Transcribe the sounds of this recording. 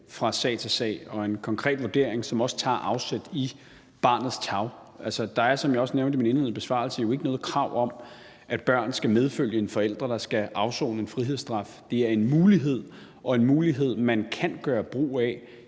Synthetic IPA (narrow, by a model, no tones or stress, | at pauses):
fʁɑ̈sɛ̰ːt͡sʰe̝sɛ̰ɪɒ̽e̝nkʰɒ̽ŋkʰʁɛ̰ːd̥ʋuɐd̥e̝ɐ̰eŋsɒ̽mɒ̽sə̥t͡sʰɑ̰̈ːʔɑ̈ʊsed̥i | b̥ɑ̈ːnð̩ˠst͡sʰɑ̈ʊ | ʔælsɒd̥ɑ̈æɐsɒ̽mjɑ̈ɪɒ̽sneʊnd̥əmine̝nheð̩ˠb̥e̝sʋɑ̰̈ːl̩səjo̝e̝ɡ̥ənɔːð̩ˠkʰʁɑ̈ʊ̰ɒ̽m | ʔæd̥̚b̥ɶɐ̰nð̩ˠsɡ̥æmeð̞ˠføl̰jəe̝nfɒ̽el̰d̥ʁɐd̥ɑ̈sɡ̥æʔɑ̈ʊso̰ːnəenfʁiɦe̝ð̞̰ˠsd̥ʁɑ̈fd̥e̝æɐe̝nmuːliɦe̝ð̞̰ˠ | ʔɒ̽e̝nmuːliɦe̝ð̰ˠmænkʰænɡ̥ɶːɐb̥ʁo̰ːæ